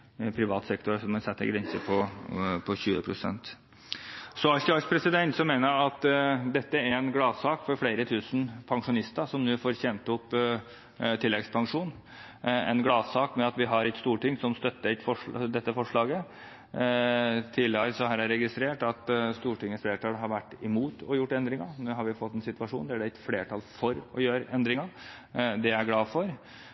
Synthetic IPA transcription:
pʰɾɪʋɑːt̪sɛkt̪ʊɾəʂɔmɛsɛt̪ːə̰ɡɾɛnsəpʰɔpʰɔɕʉːə̰pʰɾʊsɛ̰nt̪ | sɔɑçɑʂpʰɾɛsɪd̪ɛnt̪sɔmeːnəɾɑt̪d̪ɛt̪ːəæɾɛnɡlɑːsɑːkfɔɾfleːɾət̪ʰʉːsn̩pʰɑŋʂʊnɪst̪əsɔmnʉːfoːɾçɛnt̪ːəɔpː | t̪ʰɪlːɛɡspʰɑŋʂuːn | ɛ̰nɡlɑːsɑːkmɛɑt̪ʋɪɦɑɾɛt̪st̪uːʈɪŋːsɔmst̪œt̪ːəɾɛt̪fɔʂd̪ɛt̪ːəfɔʂɭɑːɡə | t̪ʰɪlɑɾsɔɦæːɾæɾːɛɡɪst̪ɾeːʈɑt̪st̪uːʈɪŋːəsfleːʈʰɑːlɦɑɾʋæʈːɪmuːt̪ɔjʊʈːɛnd̪ɾɪŋɑnʉːɦɑɾʋɪfɔt̪ːɛnsɪt̪ʋɑʂṵːnd̪æɖɛɪt̪fleːʈʰɑlfɔɾɔjøːɾɛnd̪ɾɪŋɑɾ | d̪ɛæɾɡlɑːfɔɾ

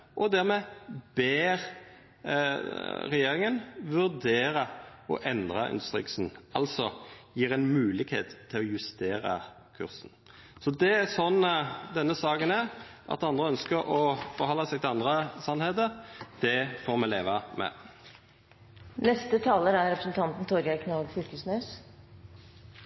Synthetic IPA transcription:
ʔɔd̪æʁmɛbeːʁ | ʁɛjeːɾɪŋənʋʉʁd̪eːɾɑɔ̰ʔɛnd̪ʁɑʔɪ̰nd̪ʉ̥st̪ʁɪksn̩ɑlsɔjiːɾɛɪnmʉːlɪɡhḛːt̪t̪ʰːɪlɔjʉst̪eːɾɑ̰ | kʰʉ̰ʁsn̩ | sɔd̪ɛæsɔnːd̪ɛnːəsɑːkənæʁʔɑ̰t̪ɑnd̪ʁəœnskəɾɔfɔɾhɔlːɑsɛɡt̪ʰɪlɑnd̪ʁəsɑnheːt̪̬əʁd̪̥ɛfoːʁmɛleːʋɑmɛ̰ | nɛst̪ət̪ʰɑːləɾæɾɾɛpɾə̥sn̩t̪ʰɑnt̪n̩t̪ʰɔɾɡɑkʰnɑlɡ̪fʏlkəsnœːs

